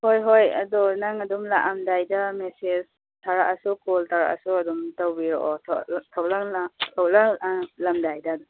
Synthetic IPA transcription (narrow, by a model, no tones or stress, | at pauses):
hojɦojɐ̰dɔnaŋɐdumlaʔamdajdamesed͡ʒ | tʰaɾaʔɐsukɔltʰaɾa̰ʔa̰suɐdumtawbiɾɔʔɔtʰtʰawlaŋlatʰawlaŋlamdajdaːdɔ